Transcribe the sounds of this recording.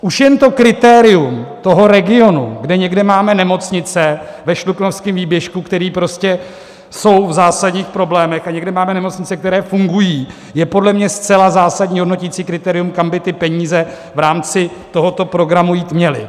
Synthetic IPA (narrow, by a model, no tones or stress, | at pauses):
ʔuʃjɛnt̪o̞kɾɪt̪ɛːɾɪumt̪o̞ɦo̞ɾɛɡɪo̞nṵɡdɛɲɛɡdɛmaːmɛnɛmo̞t͡sɲɪt͡sɛvɛʃluknofskɪmviːbjɛʃkukt̪ɛɾiːpɾo̞scɛ | so̞wvzaːsaɟɲiːxpɾo̞blɛːmɛxaɲɛɡdɛmaːmɛnɛmo̞t͡sɲɪt͡sɛk̚t̪ɛɾɛːfuŋɡujiː | jɛpo̞dlɛmɲɛst͡sɛlazaːsaɟɲiːɦodno̞cit͡siːkɾɪt̪ɛːɾɪjumkambɪt̪ɪpɛɲiːzɛ | vɾaːmt͡sɪt̪o̞ɦo̞t̪o̞pɾo̞ɡɾamujiːt̪mɲɛlɪ̰